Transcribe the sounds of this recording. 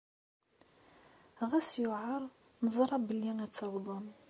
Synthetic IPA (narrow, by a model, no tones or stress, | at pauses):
ʁæsjʊʕɑɾˤ | nəzˤɾˤɑbəlːiŋæt͡sːɑwd̪ˤɑn